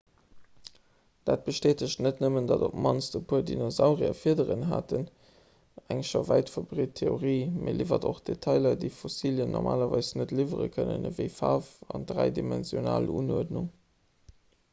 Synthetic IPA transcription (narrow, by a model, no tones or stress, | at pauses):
d̥aːt̚b̥əʃteːtəɕtnətnəməndɑdopmɑnsd̥əpʰuːəɐdinozaʊʁiɐ̰fiːədəʁənɦaːtən | æŋʃɐvæɪtfɐbʁitʰːeoʁiːmʔeliːvɐdoχd̥etʰɑɪlɐdəɪfosiːljənʔoɔʁmʔaːlɐvɑɪsnətlivəʁə̰kʰənə̰nəvəɪfaːfɑndʁæɪdimɛnzjonaːluːnuɐdnuŋ